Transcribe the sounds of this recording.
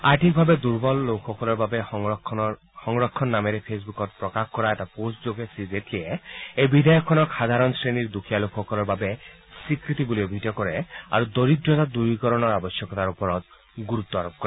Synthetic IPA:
aɾʈʰik̚bʱabed̪uɾbɔlːowkʰɔkɔlɔɾbabe | hɔŋɾɔkʰːɔnːameɾepʰesbukɔt̪̚pɾɔkakkɔɾaeʈaposʈd͡ʒoɡesizeʈʰieejbid̪ʱajɔkʰːɔnɔxʰad̪ʱaɾɔnsɾeniɾd̪ukʰijalokʰɔkɔlɔɾbabe | sikɾit̪ibuliobʱit̪ɔjɔkɔɾea̰ɾud̪oɾid̪ɾɔt̪ad̪uɾbikɔɾɔnɔɾabɔsjɔkɔt̪aɾupɔɾɔt̪ | ɡuɾut̪ːɔaɾɔp̚kɔɾe

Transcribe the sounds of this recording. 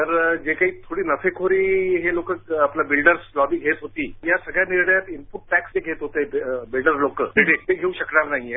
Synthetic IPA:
t̪əɾd͡ʑekaɦiːt̪ʰoɽiːnəfekʰoɾiːɦelokəkaplabilɖəɾslɔbiːɡʱet̪ɦot̪iːjasəɡɭjaniɾɳəjat̪impuʈ̚ʈɛksd͡ʑeɡʱet̪ɦot̪ebilɖəɾlokəeɖeʈ̪eɡʱeuɕəkɳaɾnaɦie

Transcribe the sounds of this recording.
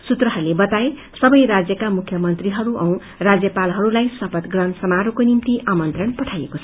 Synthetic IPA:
sut̪rʌɦʌɾulebʌt̪ae | sʌbʌjɾad͡zjʌkamukʰjʌmʌnt̪riɦʌɾuʔʌw̃ | rad͡zjʌpalɦʌɾulajsʌpʌt̪ɡrʌnsʌmaɾokonimt̪iʔamʌnt̪rʌnpʌʈʰajekot͡sʰ

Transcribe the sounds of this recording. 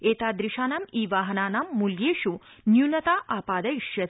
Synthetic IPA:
eːt̪aːd̪ɾiʃaːnamiːʋaːɦɐnaːnaːmːuljeːʃu | njunɐt̪aʔaːpaːd̪ɐiʃjɐ

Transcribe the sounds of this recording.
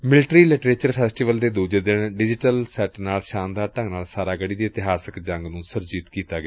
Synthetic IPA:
mɪlɪʈɾiːlɪʈɾeːt͡ʃəɾpʰɛːsʈiːʋəld̪eːd̪uːd͡ʒeːd̪ənɖɪd͡ʒɪʈəlsɛːʈnaːlʃãːnd̪aːɾʈə̃ŋɡnaːlsaːɾaːɡəɽiːd̪iːɪt̪ɪɦaːsəkd͡ʒəŋɡnũːsəɾd͡ʒiːt̪kiːt̪aːɡɪaː

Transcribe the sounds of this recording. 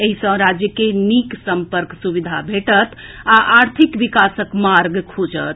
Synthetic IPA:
eɦisə̃ɾad͡ʒjəkeniksəmpəɾksuβid̪ʱabʱeʈət̪ʰaʔaɾt̪ʰikʋikasəkmaɾɡkʰud͡ʒə̰t̪̚ʰ

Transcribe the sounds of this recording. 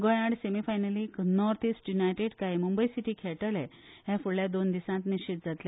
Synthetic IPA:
ɡɔjãɽsemifajnəliknɔɾt̪ʰisʈjunajʈeɽkaimumbəjsiʈiːkʰɛɭʈəlɛ | ɦjãfuɽljad̪ond̪isãt̪niɕit̪̚d͡zat̪le

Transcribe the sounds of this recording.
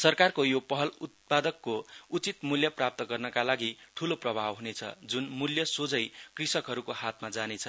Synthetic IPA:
sʌrkarkojopʌɦʌlut̪̚pad̪ʌkːout͡sit̪muljʌprap̚t̪ʌɡʌrnʌkalaɡiʈʰuloprʌbʱabɦunet͡sʰʌ̰d͡zunmuljʌsod͡zʌjkrisʌkɦʌɾukohat̪mad͡zanet͡sʰʌ

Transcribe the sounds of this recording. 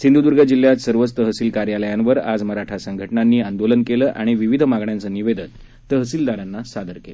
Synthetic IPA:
sind̪ud̪uɾɡʱəd͡ʑilːjat̪səɾʋət͡st̪əɦəsiːlkaɾjaləjanʋəɾad͡zməɾaʈʰasəŋɡʱəʈnanːiːand̪olənkeləːʔaɽ̃iʋiʋid̪ʱəmaɡɳjant͡səːniʋed̪ən | t̪əɦəsiːld̪aɾanːasad̪ʱəɾkelə

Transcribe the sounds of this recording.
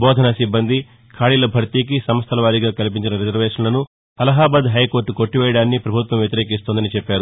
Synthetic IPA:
bɔːd̪ʱɐnɐsibːɐnd̪ʱi | kʰaːɭiːlɐbʱɐɾt̪iːk̬isɐmɐst̪ʰɐlɐʋaːɾiɡaːkɐlip̬iɲt͡ʃinɐɾid͡ʒɐɾʋeːʂɐnlɐnu | ɐlɐɦaːbɐd̪ɦɐjko̞ːɾʈːuko̞ʈːiʋɛːjɐɽaːnːipɾɐbʱut̪ʋɐmjɐt̪iɾeːkist̪ond̪ɐnit͡ʃɛpːaːɾu

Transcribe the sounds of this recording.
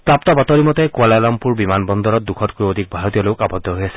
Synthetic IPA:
pɹap̚tɔbatɔɹimɔtɛkualalɔmpuɹbimanbɔndɔɹɔt̚dukʰɔtkojodʱik̚bʱaɹot̬ijɔlojʊkabɔdʱːɔɦojasɛ

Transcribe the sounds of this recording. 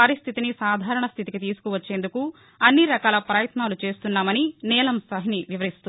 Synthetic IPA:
ɐɾist̪ʰit̪inisaːd̪ʱaːɾɐɳɐst̪ʰit̪ikit̪iːsu̥kuʋɐt͡ʃːe̞ːnd̪uku | ɐnːiɾɐkaːlɐpɾɐːjɐt̪naːlut͡ʃe̞ːst̪unːaːmɐninɛːlɐmsɐɦiniʋiʋɐɾist̪u

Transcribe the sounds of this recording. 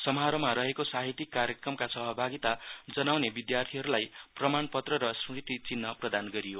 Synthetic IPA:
sʌmɦaɾʌmaɾʌɦekosaɦit̪ikːaɾjekrʌmkasʌɦʌbʱaɡit̪ad͡zʌnawnebid̪jart̪ʰiɦʌɾulajprʌmanpʌt̪rʌɾʌsɽit̪it͡sinːʌprʌd̪anɡʌɾijo

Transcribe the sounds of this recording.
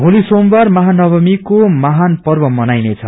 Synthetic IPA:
bʱolisombarmaɦanʌbʌmikomaɦanpʌrbʌmʌnajnet͡sʰʌ

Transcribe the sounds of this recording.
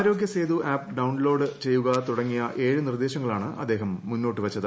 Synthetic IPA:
ɾo̞ːɡʲjɐseːd̪uʔaːpɖɐwnlo̞ːɖɨt͡ɕe̞jːuɣɐt̪uɽɐŋːijɐʔe̞ːɻunird̪eːɕɐŋːɐɭaːɳɨʔɐ̰d̪ːe̞ːɦɐmːunːo̞ːʈːɨʋɐt͡ɕːɐðɨ

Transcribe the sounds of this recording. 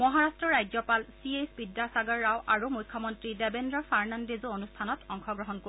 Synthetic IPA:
mɔɦaɹastɹɔɹajzɔpalsiesbidːasaɡaɹːawʔaɹumujkʰːɔmɔntɹidɛbendɹɔfaɹnandezoonustʰanɔtɔŋxʰɔɡɹɔɦɔnko

